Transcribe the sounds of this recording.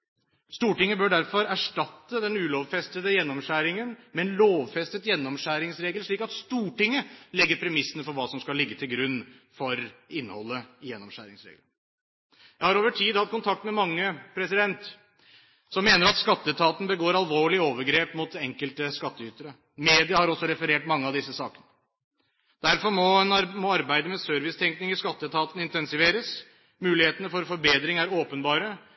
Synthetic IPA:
st̪uːʈɪŋːəbøːɖæɾfɔɾæʂʈɑt̪ːəd̪ɛnʉːloːʋfɛst̪əd̪əjɛnːɔmʂæɾɪŋənmɛnloːʋfɛst̪ət̪jɛnːɔmʂæɾɪŋsɾeːɡəlʂɭiːkɑt̪st̪uːʈɪŋːəlɛɡːəɾpʰɾɛmɪsːənəfɔɾʋɑːsɔmskɑlːɪɡːət̪ʰɪlɡɾʉnː | fɔɾɪnːhɔlːəɪjɛnːɔmʂæ̰ɾɪŋsɾḛːɡlən | jæɪhɑɾoːʋəʈʰiːd̪hɑt̪̚kʰʊnt̪ʰɑk̚t̪mɛmɑŋːəpʰɾɛsɪd̪ɛnt̪ | sɔmːeːnəɾɑt̪skɑt̪ːət̪ʰɑːt̪ən̩bəɡoːɾɑlʋoːɭɪoːʋəɾɡɾeːpmut̪ɛŋkəlt̪əskɑt̪ːəʏt̪əɾə | meːd̪ɪəhɑɾɔsːɔɾɛfəɾeːʈmɑŋːəɑʋd̪ɪsːəsɑːkənə | d̪̥æɾfɔɾmɔɛnmɔɑɾbæɪd̪əmɛsøɾʋɪst̪ʰɛŋknɪŋɪskɑt̪ːət̪ʰɑːt̪ən̩ɪnt̪ɛnsɪʋeːɾəs | mʉːlɪheːt̪ənəfɔɾfɔɾbeːd̪ɾɪŋæɾoːpənbɑːɾə

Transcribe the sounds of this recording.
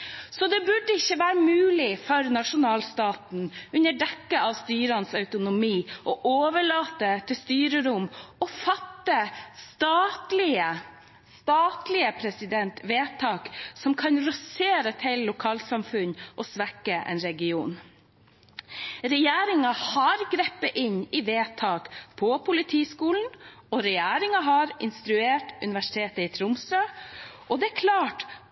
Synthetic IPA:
sɔd̪ɛbʉɖəɪçːəʋæːɾəmʉːlɪfɔɾnɑʂʊnɑːlst̪ɑːt̪n̩ʉnəɖɛkːəɑʋst̪yːɾɑnsœʉt̪ʊnʊmiːʔɔʔoːʋəɭɑːt̪ət̪ʰɪst̪yːɾəɾʊmɔfɑt̪ːəst̪ɑːt̪lɪə | st̪ɑːt̪lɪəpʰɾɛsɪd̪ɛnt̪ʋeːt̪ʰɑːksɔmkʰɑnɾʊseːɾət̪ʰɪlːʊkʰɑːlsɑmfʉnʔɔsʋækəʔɛ̰nɾɛɡɪuːn | ɾɛjeːɾɪŋɑhɑɾɡɾɛpːəʔɪɲɪʋeːt̪ʰɑːkpʰɔpʰʊlɪt̪ʰiːskuːln̩ | ɔɾɛjæːɾɪŋɑɦɑɾɪnst̪ɾʉeːʈʉnɪʋæʂɪ̥t̪ʰeːt̪əɪt̪ʰɾʊmsøʔɔd̪ɛækʰlɑːʈ

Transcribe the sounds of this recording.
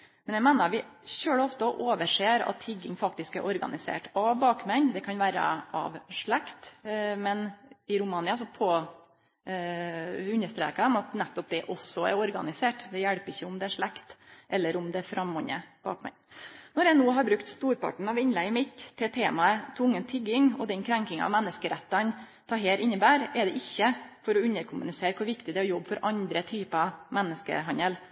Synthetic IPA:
mɛnjɛæmeːnəɾʋɪ | çøːɽəɔft̪əɔʔoːʋəʂeːɾɑ̰t̪ʰːhɪɡːɪŋfɑkt̪ɪskæɾʔɔɾɡɑ̰nɪsḛːʈɑʋbɑːkmɛɲd̪ɛkʰɑnʋæːɾə̰ɑ̰ʋʂɭækt̪mɛnɪɾʊmɑːnɪɑsɔpʰoː | ʉnːəʂt̪ɾḛːkɑmɑt̪nɛt̪ːɔp̚d̪ɛʔɔsːɔæ̰ɾɔɾɡɑ̰nɪseːʈd̪ɛjæɽpɪçːəʊmd̪ɛæʂɭækt̪ʔɛlːəɾʊmd̪ɛæɾfɾʔɑmːɔnə̰b̥ɑ̰ːkmæ̰ɪnɔɾjæɪnoːɦɑɾbɾʉkt̪st̪uːɾpɑ̰ʈɳ̩ɑʋɪnlɛɪmɪt̪ːt̪ʰːɪlt̪ʰeːmɑət̪ʰʋʊŋːənt̪ʰɪɡɪŋɔd̪ɛnkʰɾæŋkɪŋɑ̰ʋmɛnːəskəɾɛt̪ːɑn | t̪ʰɑːɦeːɾʔɪnːəbæːɾɛɖ̪ɛʔɪçːəfɔɾɔʉnːəɾkʰʊmʉnɪseːɾkʰʊɾʋɪkt̪ɪd̪ɛæɾjɔbːfɔɾʔɑnd̪ɾət̪ʰyːpɑmɛnːəskə̰ɦɑnəl

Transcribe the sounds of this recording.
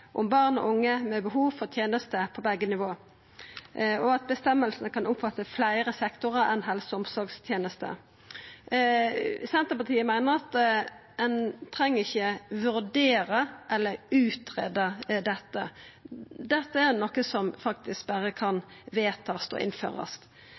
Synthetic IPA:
ʔʊmbɑːʁnɔ̰ʔʊŋːəmɛbəɦuːʋfɔʁt̪ʰjeːnəst̪əpʰɔbɛɡːənɪʋoː | ɔɑt̪̚bəst̪ɛmːəlsənəkɑnʊpfɑt̪ːəflæɪʁəsɛkt̪ʊʁəɛnɦɛlsʊmsɔɾɡst̪ʰjeːnəst̪ə̰ | sɛnt̪əpɑt̪ʰiːəmæɪnəɾɑt̪d̪ɛnt̪ʰɾɛŋːəɪçəʋʉɾd̪eːɾəʔɛlːəɾʉːt̪ʁḛːd̪əd̪ɛt̪ːə | d̪ɛt̪ːəæɾnɔkəsɔmfɑk̚t̪ɪsk̚bæɾəkʰɑnʋeːt̪ʰɑːst̪ɔ̰ʔɪ̰nfø̰ːʁə̰st̪

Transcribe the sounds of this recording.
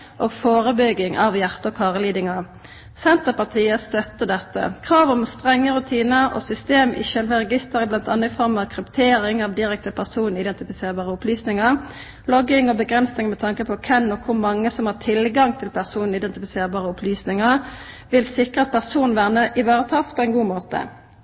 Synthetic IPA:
ʔoːɡfoːʁəbʏɡɪŋʔɑ̰ʋjæʁt̪əɔkʰɑːʁəliːd̪ɪŋəʁ | sɛnt̪əpɑʁt̪ʰiːəst̪œt̪ːəd̪ɛt̪ːə̰kʰʁɑːʋɔmst̪ʁɛŋːəɾʉt̪ʰiːnəʁɔ̰sʏst̪eːmɪ̰ʃɛlʋəʁɛɡɪst̪əʁblɑnt̪ɑnəɪfɔɾmɑʋkʰʁʉpt̪ʰeːɾɪŋɑʋd̪ɪʁɛk̚t̪ʰəlpʰæʁsuːnn̩ɪd̪ɛnt̪ɪfɪseːʁbɑːʁəʊplyːsnɪŋəʁ | lɔɡɪŋɔbəɡʁɛnsnɪŋmɛt̪ʰɑŋkəpʰɔkʰɛnːɔkʰʊʁmɑŋːəsɔmhɑːʁt̪ʰɪlɡɑŋt̪ʰɪlpʰæʁsuːnn̩ɪd̪ɛnt̪ɪfɪseːʁbɑːʁəʊpʰlyːsnɪŋəʁ | ʋɪlsɪkʁəɑt̪̚pʰæʁsuːnn̩ʋæːʁnəʔɪʋɑːʁət̪ʰɑːspʰɔɛnɡuːmoːt̪ə̰

